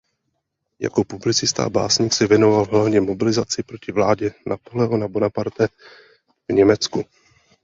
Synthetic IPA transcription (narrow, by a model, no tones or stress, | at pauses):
ja̰ko̞publɪt͡sɪst̪a̰a̰ba̰ːsɲɪksɛvjɛno̞valɦlavɲɛmo̞bɪlɪzat͡sɪpɾocɪvlaːɟɛnʔapolɛɦonabonapaɾt̪ɛ | vɲɛmɛt͡sku